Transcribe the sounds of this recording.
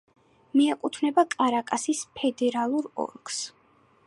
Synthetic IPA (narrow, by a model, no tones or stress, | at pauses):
miɛkʼut̪ʰnɛbakʼaɾakʼasispʰɛd̪ɛɾalˠuɾɔ̰ɾkʰs